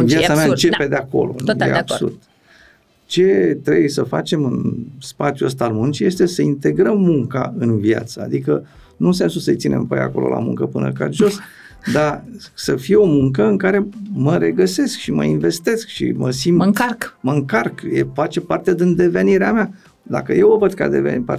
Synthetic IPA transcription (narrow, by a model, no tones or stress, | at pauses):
vjat̪sameaɨt͡ʃe̞pe̞d̪eako̞̰lo̞̰jḛab̥sṵrd̪̥ | t͡ʃe̞t̪ɾe̞bujsəfa̰t͡ʃe̞mɨnspat̪sʲjuəst̪aːlmunt͡ʃije̞st̪e̞səint̪e̞ɡɾəmːuŋka̰ɨnvia̰t̪səad̪ikə | nunse̞nsusəɨjt̪sinʔe̞̰mpa̰ja̰ko̞̰lo̞̰lʔa̰mṵŋkəpɨnə̰ka̰lʒo̞s | d̪asəfio̞muŋkəɨŋkaɾe̞məɾe̞ɡəse̞skʃimə̰iɱve̞st̪e̞skʃḭməsimarkməɨŋkarkjefat͡ʃe̞part̪ed̪ind̪e̞ve̞niɾeamea | d̪akəje̞wovəd̪̚ka̰d̪ḛvḛpa